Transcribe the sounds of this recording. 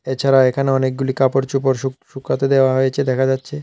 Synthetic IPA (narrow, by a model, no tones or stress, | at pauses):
et͡ɕʰaɾaekʰaneɔnek̚ɡulikapoɾt͡ɕupoɾʃuʃukːɾat̪od̪eoaɦojet͡ɕʰed̪ɛkʰad͡ʑatːɕʰe